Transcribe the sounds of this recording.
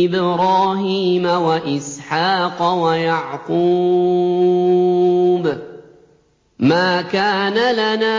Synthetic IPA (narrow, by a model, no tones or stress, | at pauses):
ɪbɾɑːɦiːmawaʔɪsħaːqɑwajɑʕquː | b | maːkaːnalanaː